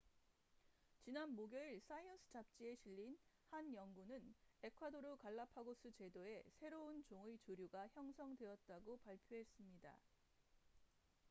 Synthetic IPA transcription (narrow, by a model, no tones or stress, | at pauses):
t͡ɕinanmoɡjʌiɭs͈ʰaionsʰɯ̥t͡ɕap̚t͡ɕ͈ie̞ɕʰiʎːin | hanjʌŋɡunɯne̞kʰwadoɾokaɭːapʰaɡosʰɯt͡ɕe̞doe̞sʰe̞ɾount͡ɕoŋɯit͡ɕoɾjuɡaçjʌŋsʰʌŋdwe̞ʌt̚t͈aɡopaɭpʰjoɦe̞s͈ɯmɲida̰